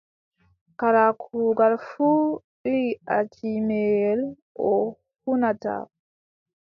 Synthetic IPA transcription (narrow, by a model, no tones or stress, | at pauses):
kaɾakʰuːɡalfuːɗiʔat͡ʃimɛl | ʔɔ | hunata̰